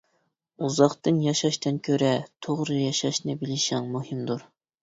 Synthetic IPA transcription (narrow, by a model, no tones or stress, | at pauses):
uzɑχt̪ɨnjɑʃɑʃt̪ɨnkʲʰøɾɛt̪ʰoʁɾɨjɑʃɑʃnɨbɪlɪʃɪŋmuhɨmd̪uɾ